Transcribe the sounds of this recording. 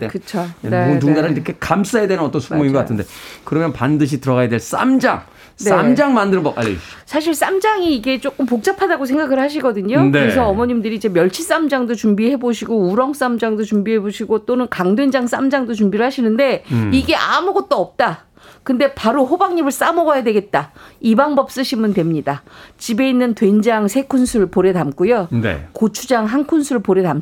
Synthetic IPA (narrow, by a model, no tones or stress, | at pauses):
tekɯt͡ɕʰoont̬uŋɡaɾaniɾʌkʰe̞kams͈ajedwenɯnʌt͈ʌnsʰumoiŋɡʌk͈atʰɯnde̞kɯɾʌmjʌnpandɯɕ̬ʰitɯɾʌɣajadwe̞ɭs͈a̰md͡ʑaŋ | sneamd͡ʑaŋmandɯɾmbʌkʔa̰ʎːḛsʰaɕ̬ʰiɭs͈amd͡ʑaŋiːɡe̞t͡ɕ͈ok͈ɯmpok̚t͡ɕ͈apʰadaɡos̬ʰe̞ŋɡaɡɯɭhaɕ̬ʰiɡʌdɯɲoneɯɾes̬ʰʌːmʌɲimdɯɾiːd͡ʑe̞mjʌɭt͡ɕʰis͈amd͡ʑaŋdot͡ɕumbiɦe̞boɕʰiɡouɾʌŋs͈amd͡ʑaŋdot͡ɕumbiɦe̞boɕʰiɡot͈onɯnkaŋdwend͡ʑaŋs͈a̰md͡ʑaŋdot͡ɕumbiɾɯɭhaɕʰinɯnde̞iɡe̞ʔa̰muɡʌt̚t͈oʌp̚t͈a | kɯnde̞paɾoɸobaŋɲibɯɭs͈amʌɡʌjadwe̞ɡe̞t̚t͈aibaŋbʌp̚s͈ɯɕʰimɯntwe̞mɲidat͡ɕibe̞inːɯntwe̞nd͡ʑaŋsʰe̞kʰunsʰuɾɯɭpoɾe̞tamk͈ujonḛkot͡ɕʰud͡ʑaŋɦankʰunsʰuɾɯɭpoɾe̞tam